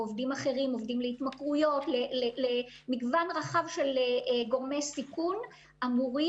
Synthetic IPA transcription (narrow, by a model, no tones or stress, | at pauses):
ovdimaχe̞ʁimo̞vd̪imleit̪makʁujo̞tlelele | miɡvanʁaχavʃe̞leɡo̞ʁmejsikun | amuʁi